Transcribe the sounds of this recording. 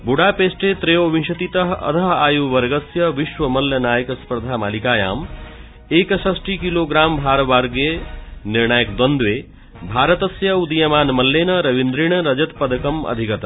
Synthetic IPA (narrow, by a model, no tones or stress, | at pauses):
buɽapeːsʈet̪ɾejoʋĩʃɐt̪it̪ɐɦɐ̰t̪ʰɐɦaːjuʋɐɾɡɐsjɐʋiʃwɐmɐljɐnaːjɐkspɐɾd̪ʱaːma̰ːlikaːja̰ːm | eːksɐsʈikiloɡɾaːmbʱaːɾʋaːɾɡeniɾɳaːjəkd̪wɐnd̪weː | bʱaːɾɐt̪ɐsjɐud̪ijɐmaːnmɐlːenɐɾɐʋind̪ɾiɳ̃ɐɾɐd͡ʒɐt̪pɐd̪ɐkɐmɐ̰d̪ʱikɐt̪